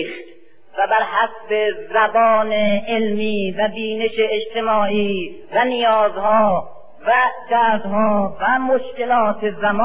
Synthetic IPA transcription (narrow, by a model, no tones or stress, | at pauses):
xt̪ | væbæɾhæsbe̞zæbɒːneelmiːvæbiːne̞ʃeːd͡ʒt̪ʰe̞mɒːʔiː | vænijɒːzhɒː | væd̪̥æːɾd̪hɒːvæmoʃke̞lɒːt̪ʰezæmː